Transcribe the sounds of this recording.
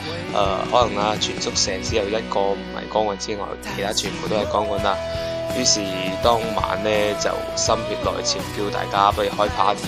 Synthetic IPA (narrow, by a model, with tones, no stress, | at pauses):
ʔɛ̰ː˧hɔː˨˥lɐ˨˩ŋaː˧t͡ʃʰyː˨˩nt͡sʊ˥k̚sɛː˨˩ŋt͡sʰiː˨˥jɐ˨wjɐ˥t̚kɔː˧m̩˨˩hɐ̰˨˩jkɔː˥ŋwɐ˨˩jt͡siː˥ŋɔ̰ː˨˩jk̪ʰe˨˩t̪ʰaː˥t͡ʃʰyː˨˩npʰwt̪o˥ɦɐ˨˩jkɔː˨˥ŋkɔ˨˧nlaː˧ | jyː˨˥siː˨˩t̪ɔː˥ŋma̰ː˨nlɛː˥t͡sɐ̰˨˩wsɐ˥mhyː˧p̚lɔ̰ː˨jt͡sʰiː˨˩kiː˧wt̪a̰ː˨jkaː˥pɐ˥jy˨˧hɔː˥jpʰaː˨˥t̪ʰ